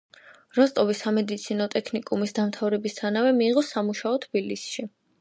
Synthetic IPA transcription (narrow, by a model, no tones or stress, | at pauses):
ɾɔst̪ʼɔvisamɛd̪it̪sʰinɔt̪ʼɛkʰnikʼumisd̪amt̪ʰavɾɛbist̪ʰanavɛmiːʁɔsamuʃaɔt̪ʰbilisʃi